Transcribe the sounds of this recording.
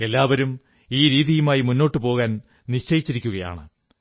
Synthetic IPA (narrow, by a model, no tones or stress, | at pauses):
e̞lːaːʋɐɾum | iːɾiːðijumaːjimunːo̞ːʈːɨpo̞ːɣaːn | niɕt͡ɕɐjit͡ɕːiɾikʲːuɣɐja̰ːɳɨ